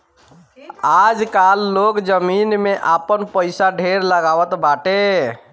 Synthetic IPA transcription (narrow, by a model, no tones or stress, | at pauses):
ad͡ʒkalːokd͡ʒəminmeʔapənpəɪsaɖʱeɾləɡawət̪baʈe